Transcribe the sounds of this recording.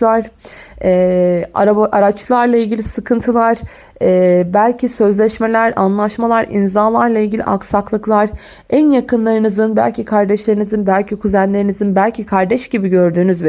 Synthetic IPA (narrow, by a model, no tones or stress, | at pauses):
aɾ̥ɛː | ʔaɾat͡ʃlˠaɾlˠailʲɟilʲisɯkʰɯnt̪ʰɯlˠaɾ | ɛːbælʲcʰisø̞zlʲɛʃme̞lʲæɾa̰nlˠaʃmalˠaɾḭnzalˠaɾlˠailʲɟilʲḭʔaksaklˠɯklˠaɾ̥ | ænjakɯnlˠaɾɯnɯzɯnbæ̰lʲcʰikʰaɾd̪ɛʃlʲe̞ɾinizɯnbælʲcʰikʰuzænlʲe̞ɾinizɯnbælʲcʰikʰaɾd̪ɛʃɟibiɟø̞ɾd̪yːnyzvɛ